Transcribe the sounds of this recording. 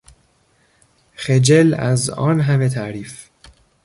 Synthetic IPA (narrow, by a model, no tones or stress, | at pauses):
xed͡ʒelæzɒ̰ːnɦæmet̪ʰæʔɾiːf